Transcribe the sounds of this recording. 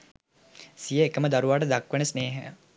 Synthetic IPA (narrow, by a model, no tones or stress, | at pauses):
sijəekəməd̪aɾuʋaːʈ̬əd̪akʋənesneːɦe